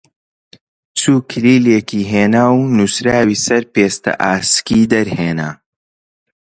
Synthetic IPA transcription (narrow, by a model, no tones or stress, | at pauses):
t͡suːkʰɨliːleːkiːɦeːnaːwnusɾaːwiːsɐɾpeːst̪ɐ̰ʔaːskiːd̪ɐɾheːna̰